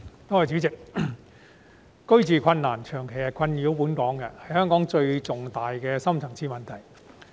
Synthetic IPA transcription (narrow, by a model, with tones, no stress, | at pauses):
t̪oɔː˥ɐ˨˩t͡ʃyː˨˥t͡sɪ˨k̚ | kɵ˥ɥt͡siː˨kʰɐ˧nːaː˨˩nt͡ʃʰœː˨˩ŋkʰe˨˩jɐ˨˧kʰɐ˧njiː˨˥wpuː˨˥nkɔː˨˥ŋkɐ˧hɐ˨˩jhœː˥ŋkɔː˨˥ŋt͡ʃɵ˧ɥt͡sʊ˨ŋt̪aː˨jkɛː˧sɐ˥mt͡sʰɐ˨˩ŋt͡sʰiː˧mɐ˨nt̪ʰɐ˨˩j